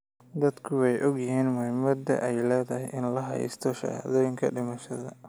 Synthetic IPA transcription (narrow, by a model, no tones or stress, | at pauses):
d̪ɐd̪kʰʊwɛjʔɔɡjɪɦiːnmʊhɪmɐd̪ɐ̰ʔɛjlɛːðɐɦɛjʔɪnlɐɦɐ̰j̰st̪ʰɔʃɐ̰ʕhɐ̰ðɔːjɪŋkʰɐɖɪmɐʃɐðɐ̰